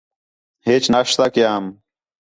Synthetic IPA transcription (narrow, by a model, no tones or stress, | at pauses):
heːt͡ɕnaːʂt̪aːkjaːm